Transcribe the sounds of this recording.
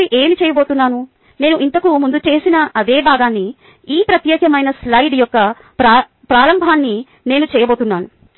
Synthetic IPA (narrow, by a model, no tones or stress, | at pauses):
iʔe̞ːmit͡ʃɛːjɐbo̞ːt̪unːaːnu | ne̞ːnuʔint̪ɐkumund̪ut͡ʃeːsinɐɐd̪e̞ːbʱaːɡaːnːi | iːpɾɐt̪jɛːkjɐmɐjnɐslɐjɖjɔkːɐ | pɾaː | pɾaːɾɐmbʱaːnːi | ne̞ːnut͡ʃɛːjɐboːt̪unːaːnu